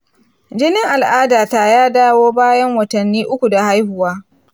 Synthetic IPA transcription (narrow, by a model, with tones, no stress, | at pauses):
d͡ʒɪ˦nɪ˦ŋʔa˨lʔaː˦daː˨taː˦jaː˦daː˦woː˦baː˦jɐ˦ŋwɐ˨tɐ˨nːiː˦ʔʊ˦kʷu˨da˨ha˦jhʊ˨waː˦